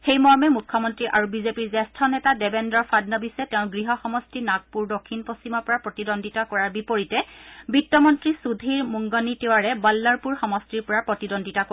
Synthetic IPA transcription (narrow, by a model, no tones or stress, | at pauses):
xejmɔɹmɛmukʰːɔmɔntɹiʔaɹubizepiɹzɛstʰɔnɛtadɛbendɔɹfʰadnɔbisɛtɛʊ̃ɡɹiɦɔxɔmɔstinak̚puɹdokʰːinpostimɔɹpɔɹapɹɔtidondʱitakɔɹaɹbipoɹitɛbitːɔmɔntɹisudʱiɹmuŋɡɔnitewaɹɛbalːaɹpuɹxɔmɔstiɹpɔɹapɹɔtidondʱitako